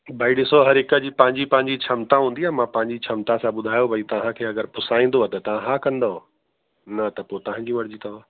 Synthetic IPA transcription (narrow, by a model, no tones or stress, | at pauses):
bʱɐiɗɪsoɦɐɾɦɪkə̆d͡ʑiːpɐ̃ɦɪ̃ɲd͡ʑipɐ̃ɦɪ̃ɲd͡ʑit͡ɕʰɐmt̪aɦũːn̆d̪iaːmãpɐ̃ɦɪ̃ɲd͡ʑit͡ɕʰɐmt̪asãɓʊd̪ʱaːjobʱɐit̪ɐʋ̤ãkʰeːɐɡəɾpʊsaːĩːn̆d̪oat̪ɐt̪ɐʋ̤ãɦaːkɐ̃nd̪o | nɐt̪ɐpoːt̪ɐʋ̤ãɲd͡ʑimɐɾd͡ʑit̪ʰɐʋã